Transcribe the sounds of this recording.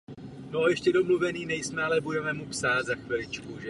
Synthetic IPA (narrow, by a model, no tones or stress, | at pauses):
nojɛʃcɛdo̞mluvɛniːnɛjsmɛalɛbudɛmɛmupsaːt̪zaxvɪlɪt͡ʃkuʒɛ